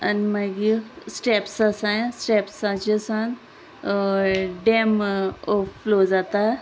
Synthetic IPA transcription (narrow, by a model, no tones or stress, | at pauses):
ɐnmɐɡisʈepsasãsʈeːpsãt͡ʃisan | ɖemofloːzat̪a